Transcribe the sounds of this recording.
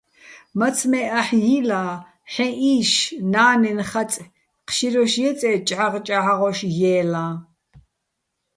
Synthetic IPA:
mat͡sʰmɛʔaħjilaː | ħɛ̃ʔiːʃnaːnɛnχat͡sʼ | qʰʃiɾɔʃjɛt͡sʼɛt͡ʃʼʕaʁt͡ʃʼaʕaʁɔʃjɛːlã

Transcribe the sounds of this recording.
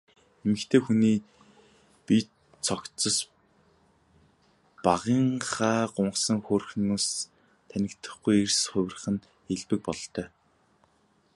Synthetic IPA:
emɘ̆kt̪ʰeːxuniː | pi | t͡sʰɔk̪t͡sɞ̆s | paʁiːɴχaːɢʊɴɢsə̆ŋxoːrxnoːs | t̪ʰænʲɪ̆kt̪ə̆χɡujersχʊ̟w̆ʲr̆χə̆n | eɮpɘ̆k̚pɔɮ̆ɬt̪ʰœː

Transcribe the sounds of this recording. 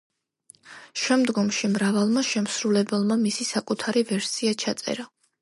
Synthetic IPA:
ʃɛmd̪ɡɔmʃimɾavalˠmaʃɛmsɾulɛbɛlˠmamisisakʼut̪ʰaɾivɛɾsiat͡ʃʰat̪sʼɛ̰ɾa

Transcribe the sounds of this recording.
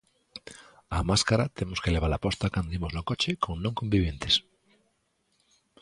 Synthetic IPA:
amaskaɾat̪emoskeleβ̞alapɔst̪akand̪oimoznokot͡ʃekõŋnõŋkombiβ̞jent̪es

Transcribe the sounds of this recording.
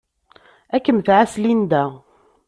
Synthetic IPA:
ækːəmθʕaslind̪æ

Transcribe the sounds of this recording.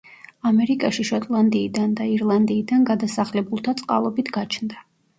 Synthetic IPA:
amɛɾikʼaʃiʃɔt̪ʼlˠand̪iːd̪and̪aiɾlˠand̪iːd̪anɡad̪asaχlɛbulˠt̪ʰat̪sʼqʼa̰lˠɔbit̪ʰɡat͡ʃʰnd̪a

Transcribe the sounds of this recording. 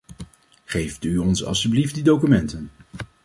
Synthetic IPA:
χejftyɔnsɑ̰lˠsyblift̚didowkymɛntən

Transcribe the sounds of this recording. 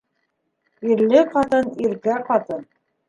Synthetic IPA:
iɾlɘqɑt̪ɤniɾkæqɑt̪ɤn

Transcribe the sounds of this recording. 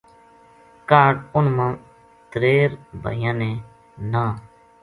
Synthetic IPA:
kaːʈʊnmãː | t̪ɾeːɾbʱə̰ːjãːnẽː | nãː

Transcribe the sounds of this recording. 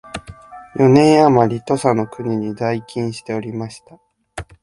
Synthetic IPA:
jo̞nẽ̞ɰ̃jamaɾʲit̪o̞sano̞kɯ̟ɲ̟iɲ̟id̪aikʲĩɰ̃ɕi̥t̪e̞o̞ɾʲimaɕi̥t̪a

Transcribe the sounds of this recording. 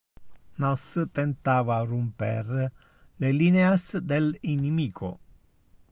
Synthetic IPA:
nɔst̪ɛnt̪aːvarumpɛr | lelineasd̪elinimiːkʰo̰

